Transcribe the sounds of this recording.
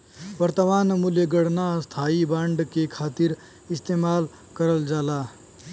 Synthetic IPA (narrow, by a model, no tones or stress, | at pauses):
ʋəɾt̪əʋaːnmuljeɡəɽnast̪ʰaːibãɳɖkekʰaːt̪iɾ | ɪst̪eːmaːl | kəɾəld͡ʒaːlaː